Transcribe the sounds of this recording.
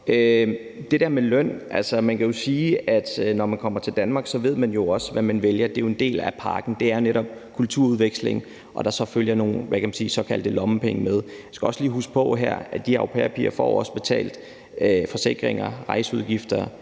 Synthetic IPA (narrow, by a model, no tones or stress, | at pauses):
ø | d̥e̝d̥æɐ̰melœn̰ʔælsɐmænkʰæjo̝siːæd̥nɒmænkʰɒ̽m̰ɐt͡sʰe̝ld̥ænmɑ̈ːɡ̥sɒ̽ʋe̝ð̞̰ˠmænjo̝ɒ̽səʋæmænʋeljɐd̥e̝jo̝e̝nd̥e̝̰ːlæpʰɑ̈ːɡ̥n̩d̥e̝æɐjo̝neɾɒ̽b̥kʰult͡sʰuɐ̰uð̞ˠʋeɡ̥sle̝ŋ | ʔɒ̽d̥ɑ̈sɒ̽føljɐno̝ːnʋækʰæmænsiːsɒ̽kʰæld̥əlɒ̽məpʰeŋəmeð̞ˠjasɡ̥æɒ̽sliːɦusɡ̥̚pʰɒ̽ɦæ̰ɐ̰æd̥iɑopʰḛːɐpʰḭɐfɒ̰ːɒ̽sə̥b̥e̝t͡sʰɛ̰ːld̥ | øfɒ̽se̝ɡ̥ʁeŋɐʁɑ̈ɪsuð̞ˠɡ̥ifd̥ɐ